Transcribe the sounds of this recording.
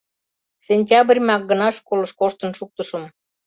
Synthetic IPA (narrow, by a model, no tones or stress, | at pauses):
sʲenʲtʲɑbrʲmɑk̚ɡə̆nɑʃkolɤ̆ʃkoʃt̪ə̆nʃuk̚t̪əʃɤm